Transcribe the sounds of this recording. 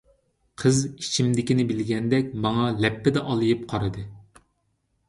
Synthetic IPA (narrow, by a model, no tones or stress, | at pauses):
qʰəzit͡ʃʰimd̪ɪkʲinɪbɪlɡʲɛnd̪ɛkʲmɑŋɑlɛpːɪd̪ɛʔɑlˠɨjip̚qʰɑɾɨd̪ɨ